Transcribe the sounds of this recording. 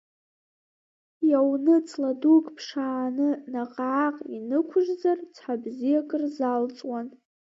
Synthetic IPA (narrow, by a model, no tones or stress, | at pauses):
jawnɨt͡sʰʼladukʼpʰʂaːnɨnaqʼaʕaqʼinɨkʷʰʊʒzart͡sʰħabzijakʼɨrzalt͡sʼwan